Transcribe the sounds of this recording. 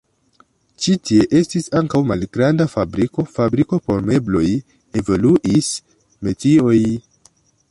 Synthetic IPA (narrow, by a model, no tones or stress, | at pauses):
t͡ʃitie̞ʔe̞stisaŋkawmalɡɾandafabɾiko̞fabɾiko̞po̞ɾme̞blo̞j | e̞voluʔis | me̞tio̞j